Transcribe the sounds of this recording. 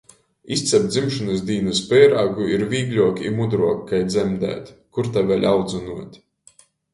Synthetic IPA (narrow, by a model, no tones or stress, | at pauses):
ist̪sʲɛp̚d̪zimʃɔnɨsd̪iːnɨspɛːjɾaɡuiɾviːɡlʲuɔkʲimud̪ɾuɔkːajd̪zɛmd̪æ̰ːt̪kuɾt̪avʲɛlʲʔawd̪zunuɔt̪ʲ